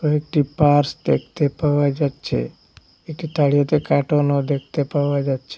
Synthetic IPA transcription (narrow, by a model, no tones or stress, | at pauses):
t̪oek̚ʈipaɾsd̪ḛkʰt̪epaʋad͡ʒat̪t͡ʃʰḛ | ek̚ʈit̪aɭijot̪ekaʈonod̪ek̚ʰt̪epaʋad͡ʒat͡ʃʰe